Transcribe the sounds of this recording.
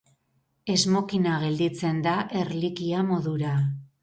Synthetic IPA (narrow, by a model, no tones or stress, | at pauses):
e̞zmo̞kinaɣe̞ld̪it͡se̞nd̪aʔe̞ɾlikiamo̞ðuɾa